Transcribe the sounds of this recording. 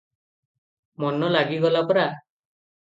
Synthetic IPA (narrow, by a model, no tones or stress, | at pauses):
mɔnɔlaɡiɡɔlapɔɾa